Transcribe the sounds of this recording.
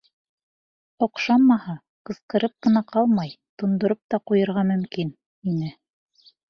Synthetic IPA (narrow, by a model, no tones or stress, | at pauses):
ŏqʃɑmmːɑhɑ | qɤ̆sqɤ̆ɾɤp̚qɤ̆nɑqʰɑlˠmɑjt̪ŏnd̪ŏɾop̚t̪ɑqujɤ̆ɾʁɑmɵ̆mkin | inɘ